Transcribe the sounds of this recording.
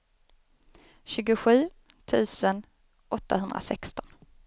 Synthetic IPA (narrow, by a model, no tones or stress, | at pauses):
ɕʉ̟ːɡʊɧʉ̟ː | t̪ʰʉ̟ːsən | ʔɔt̪ːaɦɵnd̪ɾa̰sɛ̰kst̪ɔn